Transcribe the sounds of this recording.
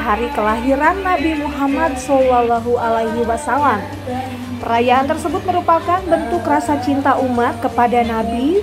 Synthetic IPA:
ɦaɾikəlaɦiɾanːabimuɦamat̪̚sɔlalaɦuʔalajɦiwasalam | pəɾajaʔant̪ərsəbʊt̪̚məɾupakanbənt̪ʊkrasat͡ʃint̪aʔumat̪̚kəpadanabi

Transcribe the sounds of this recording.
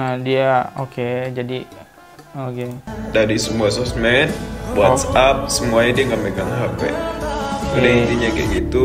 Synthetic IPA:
ədiaoked͡ʒadi | okedaɾisəmuas̬ɔsmɛnbuasap̚səmuaɲadiaŋɡameɡaŋɦapɛ̰ʔ | udait̪iɲaɡɛ̰ʔɡit̪u

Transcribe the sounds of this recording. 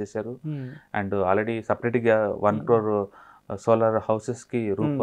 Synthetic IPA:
eːsaːɾuɛ̰̃ɳɖaːlɾeɽisɐpɾeːʈiɡaʋʔɐnkɾoːɾ | soːlɐɾhɐwseskiɾuːp

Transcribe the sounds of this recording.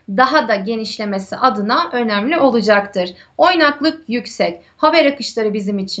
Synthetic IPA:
d̪aɦad̪aɟe̞niʃlʲe̞me̞sḭʔad̪ɯnaʔø̞næmlʲiʔo̞lˠud͡ʒakt̪ʰɯɾ̥ | o̞jnaklˠɯk̚jycsɛc | habɛɾakɯʃlˠaɾɯbizimit͡ʃʰi

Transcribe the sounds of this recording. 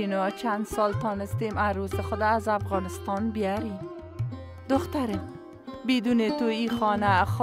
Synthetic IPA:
inɔt͡ʃand̪sɔlt̪ɔnɪst̪emaɾosɪxʊd̪aːzafɣɔnɪst̪ɑnbɪjaɾi | d̪ʊxt̪aɾe | bed̪unet̪uixɔnax

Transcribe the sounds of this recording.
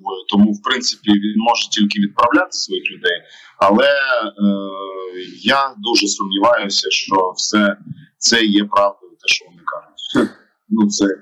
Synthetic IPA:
ɔjʊt̪ɔmuwpɾɪnt̪sɪ̥pʲiʋʲinmɔʒɛtʲilʲkɪʋʲid̪̚pɾɐʋlʲat̪ɪ̥sʋɔjixlʲʊd̪ɛj | ɐlˠɛ | jad̪uʒɛsɔmnʲiʋɑjʊsʲɐʃt͡ʃɔwsɛt̪sɛjɛpɾɑwd̪ɐʊt̪ɛʃt͡ʃɔʋɔnɪkɑʒʊtʲ | nut̪sɛ

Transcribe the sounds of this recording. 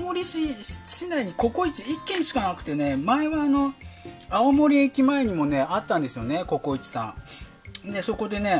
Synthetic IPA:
moɾʲiɕiɕinaiɲ̟iko̞ko̞it͡ɕiikːẽ̞ɰ̃ɕi̥kanakɯ̟̥t̪e̞ne̞maeβaːno̞aomo̞ɾʲiekʲimae̞ɲ̟imo̞ne̞at̪ːãnd̪e̞sɨjo̞ne̞ko̞ko̞it͡ɕi̥sã̰ŋ | d̪e̞so̞ko̞d̪e̞ne̞

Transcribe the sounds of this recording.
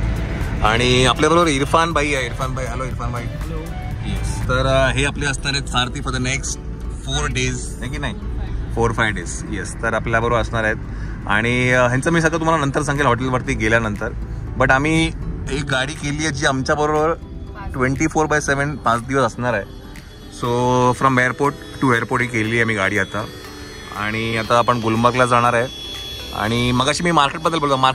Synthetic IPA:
aɽ̃iapljabəɾoʋəɾiɾfanbʱaieiɾfanbʱaiɦəloiɾfanbai | jest̪əɾɦeapleəsɳaɾet̪saɾt̪iːfɔɾd̪əneksʈ | foɾɖez | ek̬iːnaɦifoɾfajʋɖes | jest̪əɾapljabəɾoʋəɾəsɳaɾaɦet̪ | a̰ɽ̃iɦjãnt͡səmiːs̬əɡat̪um̤alanənt̪əɾs̬ãŋɡilɦɔʈelʋəɽt̪iːɡeljanənt̪əɾbəʈam̤iːek̚ɡaɽiːkeliːed͡ʑiːamt͡ɕjabəɾoʋəɾʈʋeɳʈiːfoɾbajseʋəɳpãt͡sd̪iʋəsəsɳaɾae | sofɾɔmejəɾpoɾʈːuejɾpoɾʈikelliːam̤iːɡa̰ɽiːat̪a | a̰ɽ̃iat̪aːpəɳɡulmbaklad͡zaɽ̃aɾae | a̰ɽ̃iməɡaɕiːmiːmaɾkeʈ̚bəd̪ːəlbolt̪amaɾ

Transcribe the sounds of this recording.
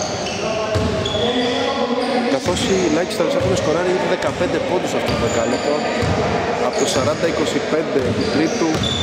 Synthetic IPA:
kɐθo̞silɐçi̥st̪ɐpesɐsumesko̞ɾɐɾiit̪uðekɐpe̞nd̪epo̞nd̪usɐft̪opuvekɐlexo | ɐpot̪osɐɾɐnd̪ɐiko̞sipe̞nd̪et̪ɾipu

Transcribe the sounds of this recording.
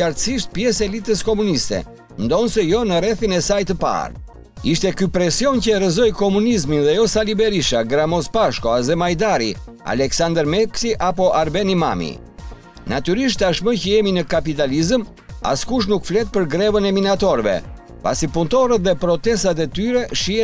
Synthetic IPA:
aɾt̪siʃt̪̚pjɛsɛlit̪əskɔmunist̪ɛ̰ | nd̪ɔnsɛjɔnəɾɛθinɛsajt̪əpa̰ɾ | iʃt̪ɛkypɾɛsiɔncəɛɾəzɔjkɔmunizminðɛjɔsalibɛɾiʃaɡɾamɔspaʃkɔazɛmajd̪aɾi | a̰lɛksand̪əɾmɛksiʔapɔʔaɾbɛnima̰mḭ | nat̪yɾiʃt̪aʃməcəjɛminəkapit̪̬alizəm | a̰skuʃ̬nukflɛt̪̚pəɾɡɾɛvənɛminat̪ɔɾvɛ̰ | pa̰sipunt̪ɔɾət̪̚ðɛpɾɔt̪ɛst̪at̪̬ɛt̪yɾɛʃiɛ

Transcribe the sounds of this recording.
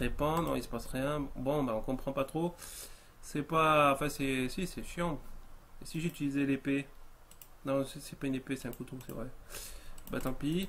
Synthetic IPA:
ʁepɑ̃nɔ̰̃isə̥pasʁjɛ̃bɔ̃baɔ̃kɔ̃pχɑ̃pat̪χo | sɛpaɑ̃fɛ̃sɛsisɛʃjɑ̃esiʒyt̪ilizɛlepe | nɔ̃sɛsɛpaynepesɛ̥t̪ɛ̃kut̪osɛ̰vʁɛ | ba̰t̪ɑ̃pi

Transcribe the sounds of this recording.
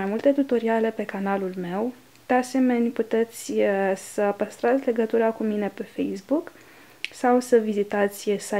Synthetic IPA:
ajmult̪e̞t̪ut̪o̞ɾiale̞pe̞kanalulme̞w | d̪̥e̞ase̞me̞nʲput̪e̞t̪sʲsəpəst̪ɾat̪sʲle̞ɡət̪uɾakumine̞pe̞fejsbuk | sawsəvizit̪at̪sʲsa

